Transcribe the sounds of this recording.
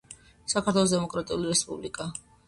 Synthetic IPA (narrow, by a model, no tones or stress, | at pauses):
sakʰaɾt̪ʰwɛlˠɔsd̪ɛmɔkʼɾat̪ʼiuliɾɛspʼublikʼa